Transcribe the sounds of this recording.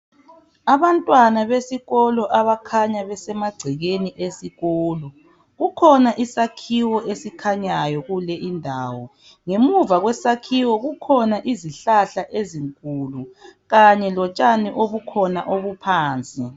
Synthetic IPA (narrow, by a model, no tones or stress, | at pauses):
aβantʼwanaβesiɣɔlɔʔaβakʰaɲaβɛsɛmaɡ͡ǀʱɛɣeniʔesiɣɔːlɔ | ɣukʰɔnaʔisakʰiwɔʔesikʰaɲajɔɣulɛʔindʱaːwɔ | ŋemuvaɣwɛsakʰiwɔɣukʰɔnaʔiziɬaɬaʔeziŋkʼuluɣaɲɛlɔt͡ʃʼaniʔoβukʰɔnaʔoβupʰaːnt͡sʼi